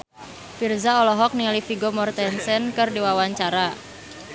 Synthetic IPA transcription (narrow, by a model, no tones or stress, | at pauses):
firzaɔlɔɦɔk̚nilifiɡomɔrt̪ɛnsɛnkɨrdiwawaɲt͡ʃaɾa